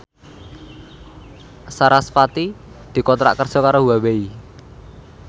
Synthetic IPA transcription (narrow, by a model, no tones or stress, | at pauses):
saɾaspat̪i | d̪̥i̤kɔt̪ɾa̰ʔkərsɔkaɾoɦuwawei